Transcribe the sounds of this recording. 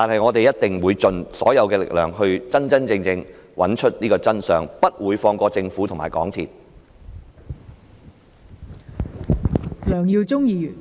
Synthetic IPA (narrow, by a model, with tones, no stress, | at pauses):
t̪aː˨nɦɐ˨jŋɔː˨˧t̪e˨jɐ˥t̚t̪ɪ˨ŋwuː˨˧jt͡ʃɵ˨nsɔ̰ː˨˥jɐ˨˧wkɛː˧lɪ̰˨˩k̚lœ̰ː˨ŋɦɵ˧ɥt͡sɐ˥nt͡sɐ˥nt͡sɪ˧ŋt͡sɪ˧ŋwʔɐ̰˨˥nt͡ʃʰɵ˥t̚niː˥kɔː˧t͡sɐ˥nsœː˨ŋpɐ˥t̚wuː˨˧jfɔː˧ŋkʷɔː˧t͡sɪ˧ŋfuː˨˥t̪ʰʊ˨ŋma̰ː˨˩jkɔ̰ː˨˥ŋt̪ʰḭː˨˩t̚ | lœː˨˩ŋjiː˧wt͡sʊ˥ŋjiː˨˧jyː˨˩n